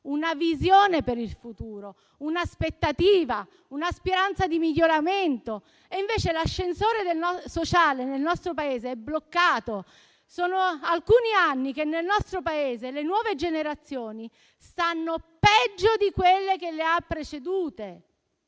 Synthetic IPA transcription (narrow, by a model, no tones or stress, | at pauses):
unavizjoːnepeɾilfut̪uːɾo | unaspet̪ːat̪iːva | unaspiɾant̪sad̪imiʎːoɾament̪o | eiɱveːt͡ʃelaʃːensoːɾed̪elnɔsot͡ʃaːlenelnɔst̪ɾopaeːzeɛblokːaːt̪o | soːnoalkuːnianːikenːelnɔst̪ɾopaeːzelenwɔːved͡ʒeneɾat̪sːjoːni | st̪anːopɛd͡ʒːod̪ikwelːekelːeapːɾet͡ʃed̪uːt̪e